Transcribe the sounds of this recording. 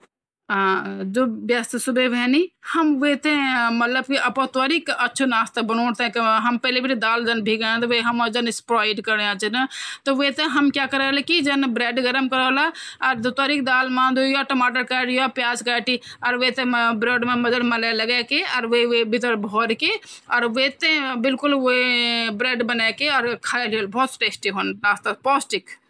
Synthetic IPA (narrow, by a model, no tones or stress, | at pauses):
ãd͡ʒobjəst̪subebʱɛnihəmʋet̪ẽmət̪ləb̚kiʔɐpɔ̃t̪ʋaɾikʔətːʃʰonaːst̪ebənoːɽt̪ẽkɦəmpɛlebʱiɾd̪aːld͡ʒənbʱiɡãt̪ɔʋəɦəməd͡ʒənɪspɾaiɖkəɾãt͡ʃənət̪ɔʋet̪eɦəmkjakəɾəɦlɛkid͡ʒənbɾeːɖɡəɾəmkəɾɔlaɔːɾd̪ut̪aɾikd̪almãnd̪ujɔʈəmaʈəɾkaɖjɔpjad͡ʒkaʈiɔːɾʋet̪ẽbɾeɖmeməd͡ʒəɾməlaləɡakeɔːɾʋəʋebʱit̪əɾbʱɔɾkeɔːɾʋət̪ẽbilkulʋobɾeɖbənakeɔːɾkʰəeliəlbʱɔːt̪sʈesʈiɦonɾast̪apɔsʈik